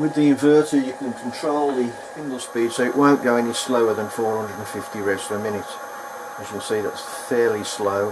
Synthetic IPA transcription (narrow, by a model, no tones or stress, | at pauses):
wɪðiɪ̃ɱvɜˑtəjɨkʰə̃nkʰn̩tʰɹ̥oʊlˠði | fɪ̃ndəl̩ˠspiːd̥soʊɨʔwə̃ʊ̃nɡ̥oʊɛnisloʊə˞ðə̃nfɔːɹhʌ̃ndədn̩fɪftiɹɛsəmɪ̃ñɪts | əʃə̃n̩ˠsiðæ̰ts | fɛɹlisloʊ